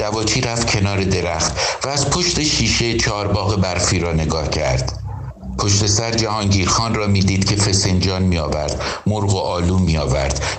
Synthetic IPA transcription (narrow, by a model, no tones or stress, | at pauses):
d̪̥ævɒːt͡ʃʰiːɾæft̪cʰe̞nɒːɾe̞d̪e̞ɾæxt̪væːzpʰo̞ʃt̪e̞ʃiːʃet͡ʃʰɒːɾbɒːɣebæɾfiːɾɒːne̞ɡɒːhcʰæɾd̪̥ | pʰoʃt̪e̞sæɾd͡ʒæhɒːŋɟiːɾxɒːnrɒːmiːd̪iːd̪̥cʲʰe̞fe̞se̞nd͡ʒɒːnmiːɒːvæɾd̪̥moɾɣoʔɒːluːmːiːɒːvæ̰ɾd̪̥